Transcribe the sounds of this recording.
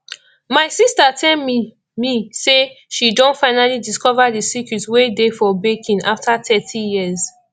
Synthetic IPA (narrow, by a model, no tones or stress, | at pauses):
maɪsistatʰɛlm | miseʃidõntfaɪnalidiskɔvadisikɹitwedefɔbekʰĩnaftʰatʰɛtʰijiəz